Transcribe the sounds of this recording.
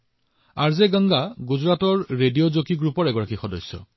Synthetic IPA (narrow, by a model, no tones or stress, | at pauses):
aɹzeɡaŋɡaɡuzɹatɔɹɹedijozokiɡɹupɔɹɛɡɔɹakixɔdɔjsːɔ̰